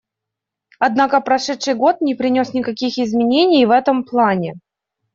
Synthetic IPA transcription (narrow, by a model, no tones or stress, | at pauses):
ɐd̪nakəpɾɐʂɛt̪ʂɨjɡo̞t̪̚nʲɪpɾʲɪnʲo̞snʲɪkɐkʲixɪzmʲɪnʲenʲɪjvɛt̪əmplˠanʲɪ